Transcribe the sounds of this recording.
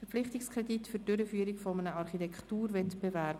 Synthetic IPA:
fɛɾflɪχtɪkskʰʁɛditfyd̥ʏɾəfyːəɾikfɔmənəɑrχitɛkχtuːrvɛtb̥evæɾb

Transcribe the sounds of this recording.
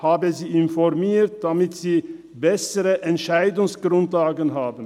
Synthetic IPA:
haːbəziːɪnfɔʁmiːtd̥amɪtz̥iː | bɛsəʁəʔɛntʃaɪdʊŋsɡ̥ʁʊntlaːɡənɦaːbn̩

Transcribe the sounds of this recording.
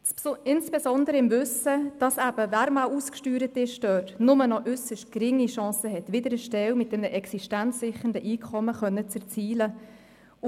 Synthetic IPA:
ɪnsb̥esɔndəɾəɪmvʏsəd̥ɑsæb̥əvæːɾmɑwuskʃtyːɾətɪʃdœːtnʊmənɔʔʏsəʃt̚kɾɪŋːiʃɑ̃ːsəɦɛtʋɪd̪əɾəʃtɛwmɪt̚d̥ɛmnəʔɛksiʃtænt͡sːɪχən̩dəʔiːkʰɔməχœnːət͡sɛɾt͡siːlə

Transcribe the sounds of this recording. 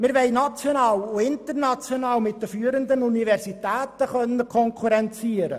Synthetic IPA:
mɪɾʋɛɪnɑt͡sjonɑːloɪnt̪əɾnɑt͡sjonɑːlmɪt̚dəfyːəɾənd̪ənunivɛrsitæːt̪əχœnːəkʰɔŋkʰuɾɛnt͡siːəɾə̰

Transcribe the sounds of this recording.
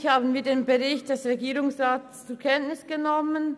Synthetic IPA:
çhaːbn̩viːɐdeːnbəʁɪçt̚d̥ɛsʁeɡiːʁʊŋsʁaːt | t͡suːɐkʰɛntnɪsɡ̥ənɔmən

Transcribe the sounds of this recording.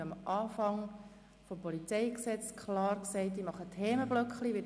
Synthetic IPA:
əmʔɑːfɑŋ | fopɔlit͡sɛɪksɛt͡skʰlɑːrksɛɪtdimɑχətʰheːməb̥lœkχliʋɪ

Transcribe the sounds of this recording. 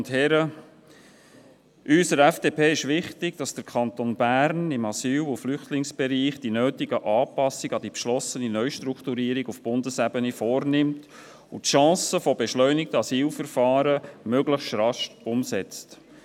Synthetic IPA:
thɛɾə | ʔysəɾɛfd̥eːpʰeːɪʃʋɪχtɪɡ̥̚d̥ɑsd̪̥əɾkʰɑnt̪onbæːɾnɪmɑsyːlʊflʏχt̪lɪŋsb̥ɛɾiːχd̥inøːtɪɡəʔɑːpɑsɪɡ̥ɑd̥̪ipʃlɔsəninœʏʃtɾukχt̪uɾiːɾɪɡufb̥ʊndəsæbənifɔːɾnɪmt̪ | utʃɑ̃ːsəfobɛʃlœʏnɪk̚təɑsiːlfəɾfɑːɾəmøɡləχsɾɑʃʊmsɛt͡st

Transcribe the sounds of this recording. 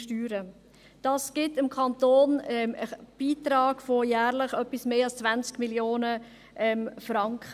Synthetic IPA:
ʃtyːɾə | d̥ɑːsɡ̥ɪtɪmkʰɑntoːnɛəb̥iːtɾɑːɡ̥fojæːɾləχœpismeːɑlst͡svænt͡skmiljoːnə | ʔɛmfrɑŋkχə

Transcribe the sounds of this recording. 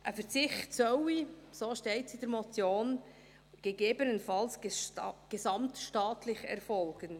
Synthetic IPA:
ʔəfəɾt͡sɪxtsœwisoːʃteɪtsid̥ɛɾmɔt͡sjoːn | ɡ̥eɡeːbənənfɑls | ɡ̥esɑmtʃtɑːtʰlɪçɛ̰ɾfɔlɡ̥ən

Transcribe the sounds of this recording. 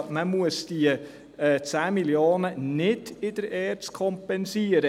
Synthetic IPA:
məmuəsd̥iə | t͡sæːmiljoːnənɪdɪd̥əɾɛːtskʰɔmpɛnsiəɾə

